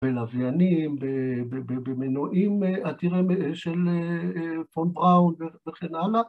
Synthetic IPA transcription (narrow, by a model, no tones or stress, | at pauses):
b̥elavjanimbebebebemenoʔimeʔat̪iʁemʃelefonbʁawnveveχenala